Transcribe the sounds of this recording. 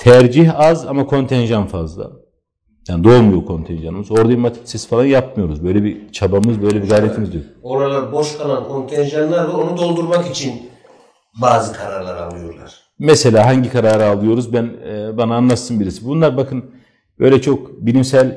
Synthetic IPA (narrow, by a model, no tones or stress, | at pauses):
t̪ʰæɾd͡ʒiçazamakʰo̞nt̪ʰɛnʒanfazlˠa̰ | jaːnid̪o̞lˠmujo̞kʰo̞nt̪ʰɛnʒanɯmɯzo̞ɾd̪ajimat̪ʰi̥ksisfalˠanjap̚mɯjo̞ɾuzbø̞jlʲɛbit͡ʃʰabamɯzbø̞jlʲɛbiɡajɾeimizd̪ijokoɾalˠaɾbo̞ʃkʰalˠankʰo̞nt̪ʰɛnʒanlˠaɾd̪aonud̪o̞lˠd̪uɾmakit͡ʃʰin | baːzɯkʰaɾaɾlˠaɾa̰lˠɯjo̞̰ɾlˠa̰ɾ̥ | mɛse̞lʲaːɦaɲɟikʰaɾaːɾɯalˠɯjo̞ɾuzbænbanaːnlˠat̪sɯnbiɾisibunlˠaɾbakʰɯn | b̥ø̞̰jlʲɛt͡ʃʰo̞kbilʲimsælʲ